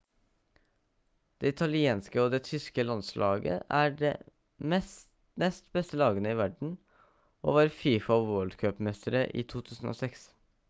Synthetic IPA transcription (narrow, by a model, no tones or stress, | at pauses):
d̪̥eːɪt̪ʰɑlɪeːnskəoːd̪eːt̪ʰʏskəlɑnslʔɑ̰ːɡə̰ʔæːɖḛː | mɛs | nɛst̪bɛst̪əlɑːɡənəiːʋæɖɳ̩ | o̰ːʋɑːɾfiːfɑɑʋwɔld̪kʰøːpmɛst̪əɾəʔḭːt̪ʰuːt̪ʰʉːsn̩o̰ːsɛks